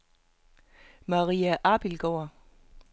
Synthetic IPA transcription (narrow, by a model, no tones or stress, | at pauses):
mɑʁiːæʔɑb̥ilɡ̥ɒɐ